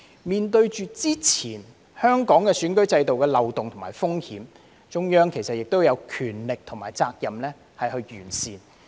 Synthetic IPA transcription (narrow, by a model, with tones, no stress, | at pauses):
miː˨nt̪ɵ˧ɥt͡ʃyː˨˧t͡siː˥t͡sʰiː˨˩n | hœː˥ŋkɔː˨˥ŋkɛː˧syː˨˥nkɵ˥ɥt͡sɐ˧jt̪o˨wkɛː˧lɐ˨wt̪ʊ˨ŋt̪ʰʊ˨˩ŋmaː˨˩jfʊ˥ŋhiː˨˥m | t͡ʃʊ˥ŋjœː˥ŋkʰe˨˩jsɐ˨t̚jɪ˨k̚t̪o˥wjɐ˨˧wkʰyː˨˩nlɪ˨k̚t̪ʰʊ˨˩ŋmaː˨˩jt͡saː˧k̚jɐ˨mlɛː˥ | hɐ˨jhɵ˧ɥɥyː˨˩nsiː˨n